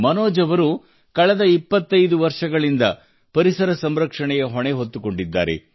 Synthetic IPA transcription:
mɐnoːd͡ʒɐʋɐɾu | kɐɭɐd̪ɐipːɐt̪ːɐjd̪uʋɐɾʂɐɡɐɭind̪ɐ | pɐɾisɐɾɐsɐmɾɐkʂɐɳɛjɐɦɔɳeɦot̪ːuko̞ɳɖid̪ːa̰ːɾḛ

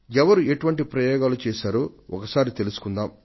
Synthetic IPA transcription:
ɛʋɐɾuʔeʈuʋɐɳʈipɾɐjɔːɡaːlut͡ʃɛːʃaːɾoːɔkɐsaːɾit̪e̞lusu̥kund̪aːm

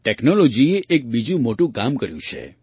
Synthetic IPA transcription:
ʈɛknolod͡ʒieʔek̚bid͡ʒũmoʈũkamkəɾjṵ̃t͡ʃʰḛ

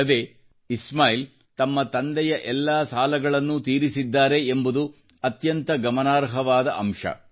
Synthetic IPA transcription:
ɐd̪e̞ː | ismaːjl | t̪ɐmːɐt̪ɐnd̪ɛjɐʔɛlːaːsaːlɐɡɐɭɐnːut̪iːɾisid̪ːaːɾe̞ːmbud̪u | ɐt̪jɐnt̪ɐɡɐmɐnaːɾɦɐʋaːd̪ɐɐmʂɐ̰

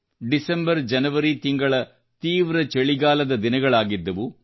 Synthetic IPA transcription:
ɖisɐmbɐɾd͡ʒɐnɐʋɐɾit̪iŋɡɐɭɐ | t̪iːʋɾɐt͡ʃeɭiɡaːlɐd̪ɐd̪inɐɡɐɭaːɡid̪ːɐʋu

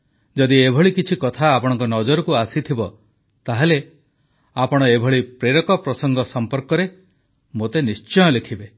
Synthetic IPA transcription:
d͡ʒɔd̪iebʱɔɭikit͡ʃʰikɔt̪ʰaːpɔɽ̃ɔ̃ŋkɔnɔd͡ʒɔɾɔkuasit̪ʰibɔ | t̪aɦele | apɔɽ̃ɔebʱɔɭipɾeɾɔkɔpɾɔsɔŋɡʱɔsɔmpɔɾkɔɾe | mot̪enist͡ʃɔjɔlekʰibe

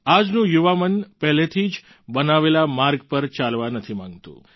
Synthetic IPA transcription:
ad͡ʒnũjuʋamənpɛɦlet̪ʰid͡ʒ | bənaʋelamaɾɡpəɾt͡ʃalʋanət̪ʰimãŋɡt̪ṵ̃

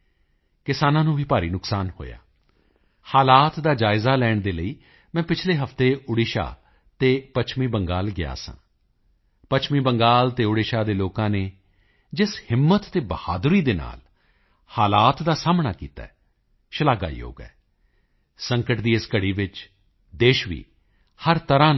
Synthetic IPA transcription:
kɪsaːnãːnũːʋiːpaːɾiːnʊksaːnho̰ːja̰ː | haːlaːt̪d̪aːd͡ʒaːɪzaːlɛːɳd̪eːləiː | mɛ̃ːpɪt͡ʃʰleːɦəft̪eːʊɽiːʃa̰ː | t̪eːpət͡ʃʰmĩːbəŋɡaːlɡɪa̰ːsã̰ː | pət͡ʃʰmiːbəŋɡaːlt̪eːʊɽɪːʃaːd̪eːloːkãːneː | d͡ʒɪshɪmːət̪ːeːbəha̰ːd̪ɾiːd̪eːna̰ːl | haːlaːt̪d̪aːsaːmna̰ːkḭːt̪a̰ːɛ | ʃəlaːɡa̰ːḭːo̰ːɡɛ̰ː | sə̃ŋkəʈd̪iːɪskəɽiːʋɪt͡ʃ | d̪eːʃʋḭː | həɾt̪əɾãːn

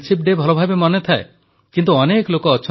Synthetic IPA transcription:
t͡ʃʰip̚ɖebʱɔlobʱabemɔnet̪ʰae | kint̪uɔneklokɔːt͡ʃʰ

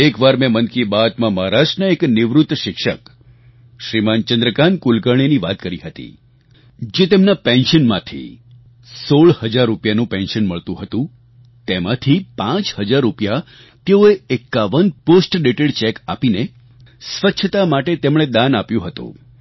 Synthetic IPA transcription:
ekʋaɾmɛ̃mənkibat̪mãmaɦɾasʈnəeknɪʋɾut̪ːʃɪkʃək | ʃɾimant͡ʃə̃nd̪ɾəkankulkəɳ̃iniʋat̪kəɾiɦət̪ḭ | d͡ʒet̪emnapɛ̃nʃənmãt̪ʰḭ | soɭhəd͡ʒaɾːupjanũpɛ̃nʃənməɭt̪ũɦət̪ũ | t̪emãt̪ʰipãt͡ʃhəd͡ʒaɾːupja | t̪eoeekːaʋənposʈɖeʈeɽt͡ʃɛka̰pine | sʋət͡ʃʰət̪amaʈet̪emɽ̃ed̪anapjũɦət̪ṵ̃

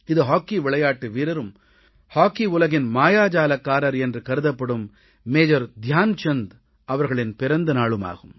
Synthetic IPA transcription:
ɪðɯɦaːkːiʋɪɭɐjaːʈːɯʋiːɾɐɾɯm | haːkːiʊlɐɣɪnmaːjaːd͡ʒaːlɐkːaːɾɐɾɛndrɯkɐɾɯðɐpːɐɽɯmː | eːd͡ʒɐɾd̪ʱjaːnt͡ʃɐnd̪ | ɐʋɐɾɣɐɭɪnpɪɾɐnd̪ɐnaːɭɯma̰ːɣɯm

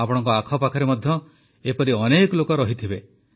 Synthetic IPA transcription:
apɔɽ̃ɔŋkɔakʰɔpakʰɔɾemɔd̪ʱjɔ | epɔɾiɔnekɔlokɔɾɔɦit̪ʰibe

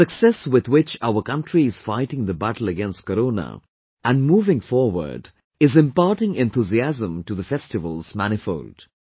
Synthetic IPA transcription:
sɨksɛswɪd̪wɪt͡ʃaʊəkʌ̃nʈʰɹiɪz̥faɪʈɪ̃ŋðəbæʈl̩ˠəɡɛ̃nst̚kəɾoːnə̰ | ʔæ̃nmuːvɪ̃ŋfɔːɾwə̰˞ɖ | ɪzɪ̃mpɑːɾʈɪ̃ŋɛ̃nt̪ʰuziæzə̃mʈuðəfɛstɨvəlˠz̥mæñɪfoʊlɖ̥

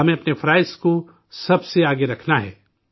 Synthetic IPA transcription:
ɐmẽɐpnefɾaːɪsko | sɐbseaːɡeɾɐkʰnaɦɛ̰ː

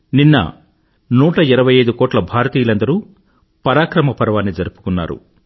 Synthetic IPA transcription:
ninːɐ̰ | nuːʈɐiɾɐʋɐjɐjd̪ukɔːʈlɐbʱaːɾɐt̪iːjlɐnd̪ɐɾu | pɐɾaːkɾɐmɐpɐɾɐʋaːnːid͡ʒɐɾupu̥kunːa̰ːɾṵ

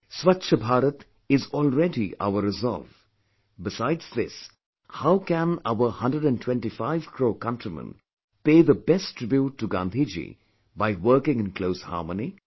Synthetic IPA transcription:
swatːʃəbʱaːɾət̪ | ɪzɔːlɾɛdiʔa̰ʊəɾɪzɔ̰lv | bɪsaɪdz̥ðɪs | haʊkæ̃naʊəhʌ̃ndəɖæ̃ntʰwɛ̃nʈifaɪv̥kʰɾoːkʌ̃ntɾimə̰̃n | peːðəbɛstɹɪbjuʈːuɡã̰nd̪ʱid͡ʒḭ | baɪwəːkɪ̃ŋɪ̃nkloʊsha̰ːməni

